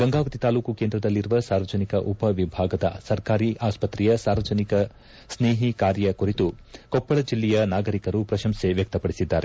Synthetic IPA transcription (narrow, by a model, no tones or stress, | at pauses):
ɡɐŋɡaːɡɐt̪it̪aːluːkukeːnd̪ɾɐd̪ɐlːiɾuʋɐsaːɾʋɐd͡ʒɐnikɐʔupɐʋibʱaːɡɐd̪ɐ̰sɐɾkaːɾiʔaːspɐt̪ɾɛjɐsaːɾʋɐd͡ʒɐnikɐ | sneːɦikaːɾjɐkuɾit̪ukɔpːɐɭɐd͡ʒilːɛjɐnaːɡɐɾikɐɾupɾɐʃɐmseʋjɐk̚t̪ɐpɐɽisid̪ːa̰ːɾe